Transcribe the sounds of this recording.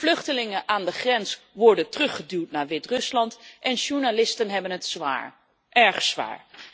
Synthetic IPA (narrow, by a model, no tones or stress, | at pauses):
flɵχtəlɪŋənʔaːndəχrɛnsʋɔɹdəntrɵχədywtnaːɹʋɪtrɵslɑntʔɛnʃuɹnalɪstənɦɛbənətsa̰ːɹ | ʔɛɹχsʋa̰ːɹ